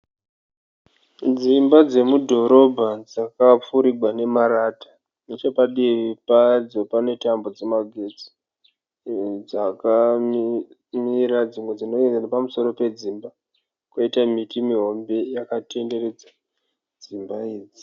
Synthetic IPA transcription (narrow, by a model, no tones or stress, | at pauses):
d͡zimbad͡ze̞mudʱo̞ɾo̞bʱad͡zakap͡fuɾiɡʱwane̞maɾatḁ | net͡ʃepaɗiʋipad͡zo̞pane̞tambo̞d͡zemaɡʱe̞t͡si̥ | d͡zaka | miɾad͡zimwe̞d͡zino̞end͡zanepamuso̞ɾo̞pe̞d͡zimba | kwoitamitimiɦo̞mbe̞jakate̞nde̞re̞d͡za | d͡zimbaiːd͡zi